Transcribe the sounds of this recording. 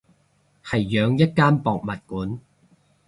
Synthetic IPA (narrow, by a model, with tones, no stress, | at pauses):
hɐ˨jːœː˨˧ŋjɐ˥t̚kaː˥npɔː˨k̚mɐ˨t̚kuː˨˥n